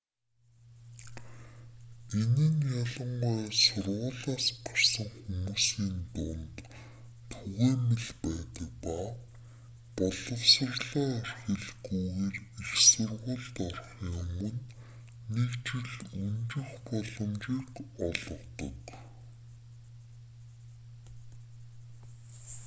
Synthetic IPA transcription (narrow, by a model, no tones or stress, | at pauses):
eniːŋjɔɮə̆ɴɢɔːsʊrʁʊːɮaːspɔ̥rsə̆ŋxumuːsiːnt̪ʊnt̪ | t̪ʰːuɣeːmeɮpæːt̪ə̆k̚pa | pɔɮɞ̆wsə̆rɮɔːærxɘ̆ɮɡujɣeːrixsʊrʁʊ̆ɮt̪ɔrχjʊmɵ̆nː | ekt͡ɕʰɪ̆ɮunt͡ɕɪ̆xpɔɮɞ̆mt͡ɕiːkɔɮɞ̆wt̪ɞ̰̆k